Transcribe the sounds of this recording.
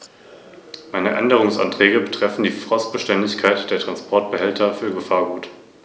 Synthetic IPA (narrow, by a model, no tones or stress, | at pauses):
maɪnəʔɛ̰ndəʁ̞ʊŋsʔa̰ntʁ̥ɛːɡəbətʁ̥ɛfn̩diːfʁ̥ɔstb̥əʃtɛndɪçkʰaɪtd̥eːɐtʁ̥anspʰɔɐt̚b̥əhɛltʰɐfyːɐɡəfaːɐɡuːt